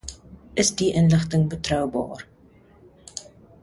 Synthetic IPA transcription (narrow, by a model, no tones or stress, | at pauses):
əsdiʔənləχtəŋbətrœwbɑ̰ːr